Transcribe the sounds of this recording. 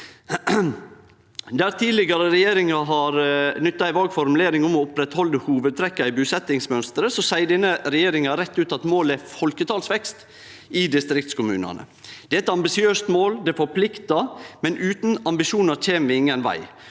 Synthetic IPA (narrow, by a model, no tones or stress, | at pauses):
d̪æɾt̪ʰiːlɪɡɑɾəɾɛjeːɾɪŋɑɦɑːɾnʏt̪ːɑɪʋɑːɡfɔɾmʉleːɾɪŋɔmɔʊpɾɛt̪hɔlːəhuːʋəd̪̚t̪ʰɾɛkːɑɪbʉːsɛt̪ɪŋsmœnst̪əɾəsɔsæɪdɛnəɾɛjeːɾɪŋɑɾɛt̪ːʉːt̪ɑt̪moːləæfɔlkət̪ʰɑːlsʋɛkst̪ | ɪd̪ɪst̪ɾɪkt̪skʊmʉ̰ːnɑ̰nə̰ | d̪̥ɛːæɛt̪ɑmbɪsɪøːst̪moːld̪ɛːfɔɾpʰlɪkt̪ɑmɛnʉːt̪n̩ɑmbɪʃuːnɑɾt͡ʃʰeːmʋɪɪŋːənʋæ̰ɪ